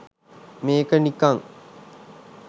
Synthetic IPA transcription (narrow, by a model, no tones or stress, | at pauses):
meːkənikaŋ